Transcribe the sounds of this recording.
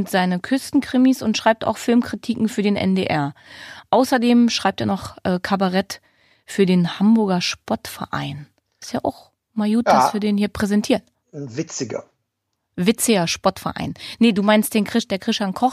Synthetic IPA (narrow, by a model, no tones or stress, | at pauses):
ntz̥aɪnəkʰʏstn̩kʁ̥ɪmisʊntʃʁ̥aɪp̚ta̰ʊxfɪlmkʁ̥itʰiːkŋ̩fyːɐdeːnʔɛ̰ndeːʔɛɐʔaʊsɐdeːmʃʁ̥aɪp̚teːɐnɔχʔɛːkʰabaʁɛt | fyːɐdeːnhambʊɐɡɐʃpɔɐtfɛɐʔa̰ɪn | ɪstjaːʔa̰ʊx | majuːtd̥asfyːɐdeːnhiːɐpʁ̥ɛzɛntʰiːɐn | vɪt͡sɪɡɐ̰ | vɪt͡sɪɡɐʃpɔɐtfɛɐʔa̰ɪnːəduːmaɪnst̚d̥eːnkʁ̥ɪd̥eːɐkʁ̥ɪʃankʰɔχ